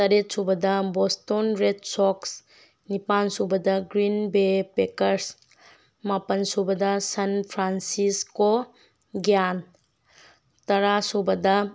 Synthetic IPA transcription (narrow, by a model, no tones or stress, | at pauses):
tɐɾet̚subɐdɐbɔstonɾet̚sɔks | nipansubɐdɐɡɾinbepekɐɾs | mapɐnsubɐdɐsanpʰɾansisko | ɡjan | tɐɾasubɐdɐ